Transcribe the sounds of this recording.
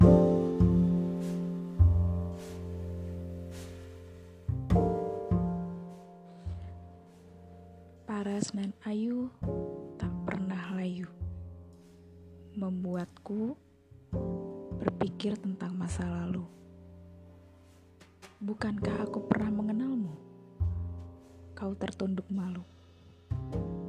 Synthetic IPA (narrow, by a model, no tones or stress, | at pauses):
paɾasənanaju | t̪aʔpə̰rnahlaju | məmbuat̪̚ku | bərpikɪrt̪ənt̪aŋmasalalu | bukankaɦakupərnahməŋənalmu | kaut̪ərt̪undʊk̚malu